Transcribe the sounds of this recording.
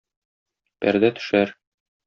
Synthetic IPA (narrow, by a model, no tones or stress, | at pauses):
pæ̰ɾd̪æt̪ɵ̥̆ʃæɾ